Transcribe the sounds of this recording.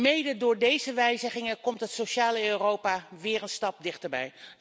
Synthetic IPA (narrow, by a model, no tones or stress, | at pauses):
mejdədʊːɹdejzəʋɛjzəχɪŋəkɔmtɦətsoʃaːləørowpaʋɪːɹənstɑp̚dɪχtəɹbɛ̰j